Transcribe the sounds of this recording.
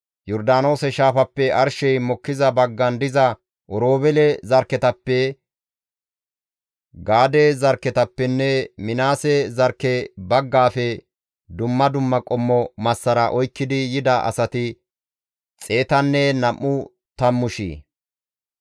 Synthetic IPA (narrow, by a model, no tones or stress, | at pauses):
jɔɾd̪aːno̞ːsɛʃaːfɐpːɛɐɾʃɛjmɔkːɪzɐbɐɡːɐnd̪ɪzɐ | ʔɔɾo̞ːbɛlɛzɐɾkːɛt̪ɐpːɛ | ɡaːd̪ezɐɾkːɛt̪ɐpːɛnːɛmɪnaːsɛzɐɾkːɛbɐɡːaːfɛ | d̪ʊmːɐd̪ʊmːɐkʼɔmːɔmɐsːɐɾɐʔɔjkːɪd̪ɪjɪd̪ɐʔɐ̰sɐt̪ɪ | t͡sʼe̞ːt̪ɐnːɛnɐmʔːʊ | t̪ɐmːʊʃḭː